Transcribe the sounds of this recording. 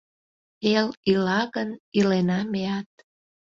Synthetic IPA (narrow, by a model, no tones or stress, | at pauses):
elylɑɣənilenɑmeɑt̪̚